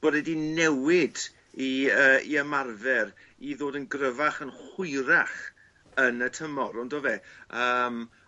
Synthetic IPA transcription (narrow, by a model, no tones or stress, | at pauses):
b̥odɛdinɛwɪd | iəːḭəmarvɛɾ | iðoːdənɡrəvaχənχʊjɾaχ | ənətʰəmɔɾɔndoveːəːm